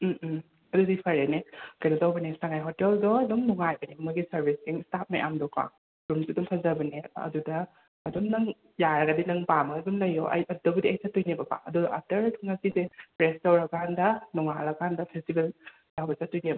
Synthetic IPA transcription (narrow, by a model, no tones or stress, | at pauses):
ɐdudipʰɐɾenekɐjnɐtawbɐnesaŋajɦɔteldɔdɔŋnuŋajbɐnimuɡisɐɾbʱiskeŋstap̚ma̰jʔa̰mdɔka̰ | dumsidumpʰɐzɐbɐneɐ̰dudɐː | dumnɐŋ | jaɾɐɡɐdinɐŋpamɐɡɐduŋlɐjːɔ̰ʔɐ̰jɐdɐbudiɐjsatujnebɐba̰ɐdudɐatɐɾtʰuŋasizepɾestawɾɐkʰandɐnuŋalɐkʰandɐpʰestibel | dawbɐsatujnebɐ